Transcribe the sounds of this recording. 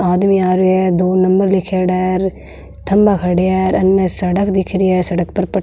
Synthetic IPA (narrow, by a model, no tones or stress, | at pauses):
aːd̪miaːɾuɛd̪oːnɐmbəɾlɪkʰeːɖaːɾ | t̪ʰɐmbakʰɐɽijɛːɾɐnːəsɐɽəkd̪ɪkʰɾijɛːsɐɽək̚pɐɾpɐ